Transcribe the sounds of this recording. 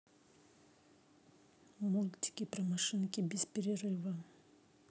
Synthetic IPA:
mulʲtʲɪ̥kʲɪpɾɐmɐʂɨnkʲɪbʲɪspʲɪɾʲɪrɨvə

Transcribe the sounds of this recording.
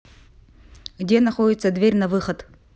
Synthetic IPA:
ɡdʲenɐχo̞dʲɪt̪səd̪vʲerʲnɐvɨxɐt̪

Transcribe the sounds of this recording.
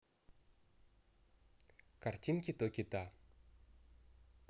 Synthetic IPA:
kart͡ɕinkʲit̪okʲit̪a

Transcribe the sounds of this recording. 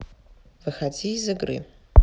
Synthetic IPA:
vɨxad͡zizɨɡrɨ̰

